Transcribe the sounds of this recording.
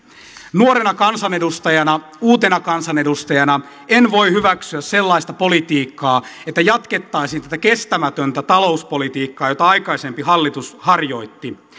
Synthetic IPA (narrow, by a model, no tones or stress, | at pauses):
nuoɾenɑkɑnsɑnedust̪ɑjɑnɑ | uːt̪e̞nɑkɑnsɑne̞dust̪ɑjɑnɑ | enʋo̞ihyʋæksyæsselːɑist̪ɑpo̞lit̪iːkːɑːet̪ːæjɑt̪ke̞t̪ːɑisiːnt̪æt̪ækest̪æmæt̪ønt̪æt̪ɑlo̞uspo̞lit̪iːkːɑːjo̞t̪ɑɑikɑise̞mpiɦɑlːit̪ushɑrjo̞it̪ːi